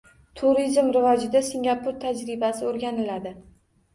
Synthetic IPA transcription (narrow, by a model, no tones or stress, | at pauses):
t̪ʰuɾizmɾɪvɒd͡ʒɪd̪asɪŋɡʲapʰʊɾt̪ʰad͡ʒɾɪbasɪoɾɡʲanɪlad̪ɪ